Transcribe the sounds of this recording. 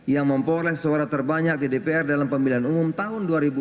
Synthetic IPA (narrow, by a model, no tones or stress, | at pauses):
jaŋməmpolɛhsaɾat̪ərbaɲak̚ɡədepeɛrdalampəmiliɦanumʊmt̪aɦʊnduaɾibu